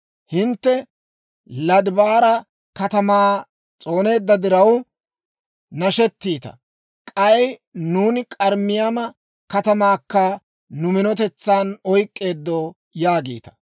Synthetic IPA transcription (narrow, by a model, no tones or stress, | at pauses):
hɪnt̪ːɛ | lɐd̪baːɾɐ | kɐt̪ɐmaː | t͡sʼo̞ːne̞ːd̪ːɐd̪ɪɾɐw | nɐʃɛt̪ːiːt̪ɐ̰ | kʼɐjnuːnɪkʼɐɾmːɪjamɐ | kɐt̪ɐmaːkːɐ | nʊmɪnɔt̪ɛt͡sːaːnɔjkʼːe̞ːd̪ːo | jaːɡḭːt̪ɐ̥